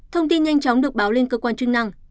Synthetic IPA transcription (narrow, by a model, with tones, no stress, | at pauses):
t̪ʰə˧wŋ͡mt̪i˧nɲa˧jŋ̟t͡ɕɔ˨˦wŋ͡mɗɨ˨˩ək̚ɓaː˨˦wle˧nkəː˧kwaː˧nt͡ɕɨ˧ŋna˧ŋ